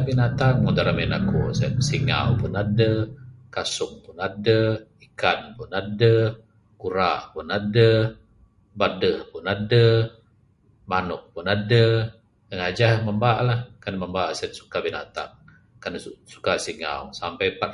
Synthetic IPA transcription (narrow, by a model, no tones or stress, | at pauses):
binat̪aŋmɔdaɾaminakṵst̪̚siŋa̰wpʊnadəkasʊŋpʊnadəikanpʊnadə | kuɾaʔpʊnadə | badəhpʊnadə | manʊk̚pʊnadə | kəŋad͡ʒahməmbaʔlahkanməmbaʔsət̪̚su̥kabinat̪a̰ŋ | kansu̥kasiŋa̰wsampɛjpat̪̚